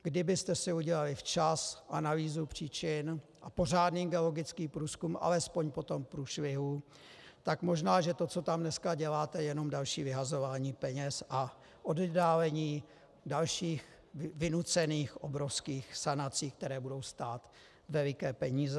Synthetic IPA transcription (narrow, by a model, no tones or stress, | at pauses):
ɡ̥dɪbɪst̪ɛsɪuɟɛlalɪft͡ʃasʔanaviːzupr̝̥iːt͡ʃɪnʔapo̞r̝aːdniːɡɛlo̞ɡɪt͡skiːpɾuːskumʔa̰lɛspo̞ɲpo̞t̪o̞mpɾuːʃlɪɦu | t̪akmo̞ʒnaːʒɛt̪o̞t͡so̞t̪amnɛskaɟɛlaːt̪ɛjɛno̞mdalʃiːvɪɦazo̞vaːɲiːpɛɲɛsʔa | ʔoddaːlɛɲiː | dalʃiːx | vɪnut͡sɛniːxʔobɾo̞fskiːxsanat͡siːk̚t̪ɛɾɛːbudo̞wst̪aːt̪ | vɛlɪkɛːpɛɲiːzɛ